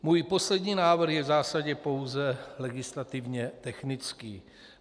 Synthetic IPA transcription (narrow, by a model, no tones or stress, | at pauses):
muːjpo̞slɛdɲiːnaːvr̩xjɛvzaːsaɟɛpo̞wzɛlɛɡɪslat̪ɪvɲɛt̪ɛxnɪt͡skiː